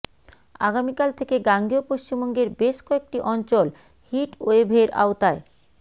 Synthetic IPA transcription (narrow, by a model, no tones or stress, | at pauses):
aɡamikalt̪ʰekeɡaŋɡiopoʃt͡ɕimboŋɡeɾbeʃkɔek̚ʈiʔɔnt͡ɕol | hiʈoebʱeɾa̰ot̪ae